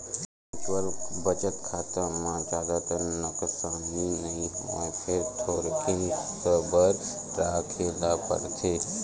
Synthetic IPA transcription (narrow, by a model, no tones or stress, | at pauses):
ũt͡ʃwəɾbət͡ʃət̪kʰaːt̪əmãd̪aːd̪at̪ənəksaːninɐĩɦmã̰pʰeɾt̪ʰoːɾkʰɪ̃ŋsəbəɾ | ɾaːkʰeːlapə̰ɾt̪ʰe